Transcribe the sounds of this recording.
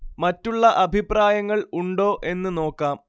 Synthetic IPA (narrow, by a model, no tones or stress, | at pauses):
mɐtːuɭːɐʔɐbʱipraːjɐŋːɐɭuɳɖo̞ːʔe̞nːɨno̞ːkːaːm